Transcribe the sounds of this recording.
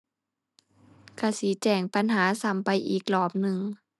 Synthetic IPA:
ka˧˩siː˨˦t͡ɕɛː˧˩ŋpa˧˦nɦaː˩˦sa˨˦mpa˧jʔiː˨˩k̚lɔː˧˩p̚nɯ˨˧ŋ

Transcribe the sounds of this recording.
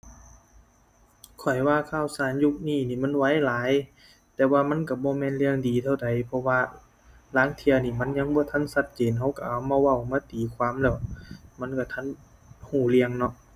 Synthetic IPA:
kʰɔ˨˩jwaː˧˨kʰaː˧˩˨wsaː˨˦nju˧k̚niː˧˩˨niː˧˩ma˧˥˨nwa˧˥˨jlaː˨˦j | t̪ɛː˧waː˧ma˧˥˨nka˧˩bɔː˧˦mɛː˧˨nli˧əŋdiː˨t̪ʰa˧˩wda˨jpʰɔ˧waː˧ | laː˨˧˦ŋt̪ʰi˧əniː˧˩ma˧˥˨nɲa˧˥ŋbɔː˧˦t̪ʰa˧˥˨nsa˧t̪̚t͡ɕeː˨˦nɦa˧˥˩wka˧˩ʔa˨˧˩wmaː˧˥˨wa˧˩wmɯ˧˥˨t̪iː˨kʰwaː˧˥˨mlɛː˧˩wma˧˥˨nka˧˩t̪ʰa˧˥˨n | huː˧˩li˧əŋnɔ˧ʔ

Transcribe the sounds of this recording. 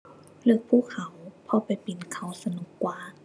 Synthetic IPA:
lɯː˧˩˨k̚pʰuː˧˩˨kʰːa˨˦wpʰɔ˧˦pa˨˩jpi˨nkʰa˨˧˩wsa˧nu˧˦kːwaː˧˦

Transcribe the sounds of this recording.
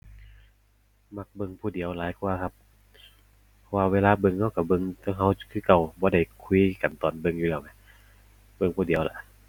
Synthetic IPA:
ma˧˥k̚bɤ˧ŋpʰuː˧˩di˨˦əwlaː˨˦jkʰu˧ɐkʰa˧p̚ | pʰɔ˧waː˧weː˧laː˧bɤ˧˨ŋha˧˥˨wka˧˩bɤ˧˨ŋt̪a˧˦ŋɦa˧˥˨wkʰɯː˧˨ka˧˩wbɔː˧˦da˧˩jkʰu˧˨ka˨˩nt̪ɔː˨˩nbɤ˧ŋjuː˧lɛː˧˩˨wma˧˦ | bɤ˧ŋpʰuː˧˩di˨əwla̰˨˧˦ʔ

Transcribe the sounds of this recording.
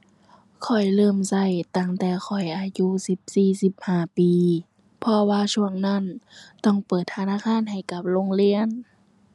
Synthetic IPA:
kʰɔ˨˩jlɤː˧˨msa˧˩jt̪a˧˩ŋt̪ɛː˧˩xʰɔ˨˩jʔaː˧juː˧˥˨si˧˦p̚siː˧˩si˧˦p̚haː˧˩piː˨˦ | pʰɔ˧waː˧su˧˩əŋna˧˥˨nt̪ɔ˧˩˨ŋpɤː˨˩t̪ʰːa˧naː˧˥˨kʰaː˧˥˨nɦa˨˩jka˧˦p̚lo˧˥˨ŋli˧˨ən

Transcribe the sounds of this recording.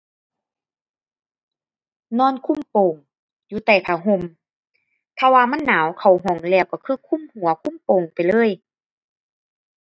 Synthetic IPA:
nɔː˧˥˨nkʰu˧˥˨mpoː˨˩ŋ | juː˧˦t̪ɛː˨˧˩pʰaː˨˧˩ɦo˧˨m | t̪ʰaː˧waː˧ma˧˥˨nːaː˨˦wkʰa˨˩wɦɔː˨˩˦ŋlɛː˧˩˨wkɔː˧˩kʰɯː˧˥˨kʰu˧˥˨mhu˨˩˦ɐkʰu˧˥˨mpoː˨ŋpa˨jlɤː˧˥˨j

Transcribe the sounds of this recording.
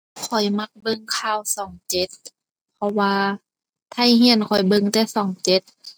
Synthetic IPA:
kʰɔ˨˩jma˧˥k̚bɤ˧ŋkʰaː˧˩wsɔː˨˩˦ŋt͡ɕe˧˦t̪̚ | pʰɔ˧waː˧ | t̪ʰa˧˩˨jɦi˧˥ə˨nkʰɔ˨˩jbɤ˧ŋt̪ɛː˧˩sɔː˨˩˦ŋt͡ɕe˧˦t̪̚

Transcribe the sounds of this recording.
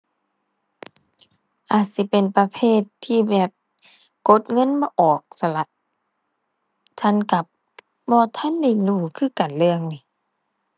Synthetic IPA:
ʔaː˨˩t̪̚si˧˦pe˨npa˧pʰeː˧˥˨t̪ʰːiː˧˨bɛː˨˩p̚ | ko˧˦t̪̚ŋɤ˧˥˨nbɔː˧˦ʔɔː˨˩k̚sa˧la˧˦t̪̚ | t͡ɕ̪ʰa˧˥˨nka˧˩p̚ | mɔː˧˩t̪ʰa˧˥˨nda˧˩jnuː˧˩kʰɯː˧˥˨ka˨˩nlɯ˧əŋni˧˦

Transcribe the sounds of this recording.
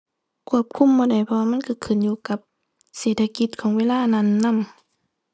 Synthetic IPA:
kʰu˧˩əp̚kʰu˧˥˨mbɔː˧da˨˩jpʰɔ˧waː˧ma˧˥˨kʰɯ˧˩kʰɯ˧˩˨njuː˧ka˧˦p̚ | seː˨˩t̪̚ʰa˧ki˧˦t̪̚kʰɔː˨˦ŋweː˧˥˨laː˧˥˨na˧˨nːa˧˥˨m

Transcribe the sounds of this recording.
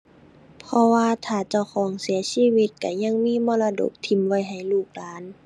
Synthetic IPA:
pʰɔ˧waː˧t̪ʰaː˧˩t͡ɕa˧˩wxʰɔː˨˩˦ŋsi˨˩˦ɐsiː˧˥˨wi˧t̪̚ka˧˩ɲa˧˥˨ŋmiː˧˥˨mɔː˧˥˨la˧do̰˧˩k̚t̪ʰi˧˩˦mwa˧˩jɦa˨˩jluː˧˩k̚laː˨˦n

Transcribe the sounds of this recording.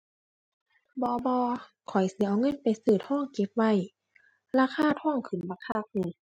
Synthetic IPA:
bɔː˧bɔː˧ | kʰɔ˨˩jsi˧˦ʔa˧wŋɤ˧˥˨npa˨jsɯː˧˩t̪̚hɔː˧˥˨ŋke˧˦p̚wa˧˩˨j | laː˧kʰaː˧˥˨t̪ʰɔː˧˥˩ŋkʰɯ˨˩˦nba˧kʰa˧˨k̚niː˧˦

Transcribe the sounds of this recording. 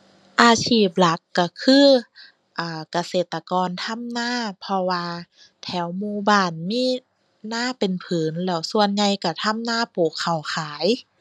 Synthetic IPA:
ʔaː˧sʰiː˧˩p̚la˧˦kːa˧˩kʰɯː˧˥˨ | ʔaː˧˩ka˧seː˨˩t̪ːa˧kɔː˨˧nt̪ʰa˧˥˨mnaː˧˥˨pʰɔ˧waː˧ | t̪ʰɛː˧˩˦wmuː˧baː˧˩nmiː˧˥˨ | naː˧˥˨pe˨npʰɯː˨˦nlɛː˧˩wsu˧ənɲa˧jka˧˩t̪ʰa˧˥˨mnaː˧˥˨poː˨˩kʰːa˨˩wkʰaː˨˦j

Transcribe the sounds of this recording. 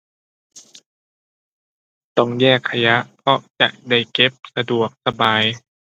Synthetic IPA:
t̪ɔ˥˩ŋjɛː˥˩kʰːa˧ja˦˥ʔpʰɔ˧˥ʔt͡ɕa̰˨˩k̚da˥˩jke˧˦˥p̚sa˧du˨˩ək̚sa˧baː˨˧j

